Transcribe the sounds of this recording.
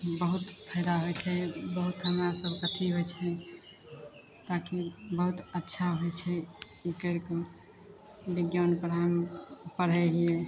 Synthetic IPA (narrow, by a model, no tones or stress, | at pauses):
bəɦut̪pʰəɪd̪aɦojt͡ʃʰɛbəɦut̪ɦəmɾasəbʱkət̪ʰiɦojt͡ʃʰɛ | t̪akibəɦut̪ətːʃʰaɦojt͡ʃʰɛ | ikəɪɾko | biɡjanpəɾɦəmpəɾɦɛɦie